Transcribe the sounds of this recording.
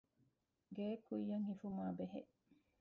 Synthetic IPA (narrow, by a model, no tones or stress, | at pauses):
ɡeːkʰujːɐŋhifumaːbeɦeʔ